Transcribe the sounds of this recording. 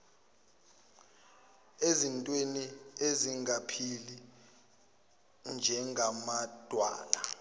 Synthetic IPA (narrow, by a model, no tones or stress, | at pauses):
ezintʼwenieziŋapʰili | nd͡ʒʱɛŋamad̥ʱwa̰ːla